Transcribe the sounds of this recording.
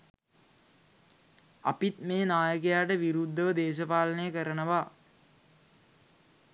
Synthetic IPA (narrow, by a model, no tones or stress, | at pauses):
a̰pit̪meːnaːjək̬ejaːʈəʋiɾud̪ʱːəʋəd̪eːʃ̬əpaːlənəjəkəɾənəʋa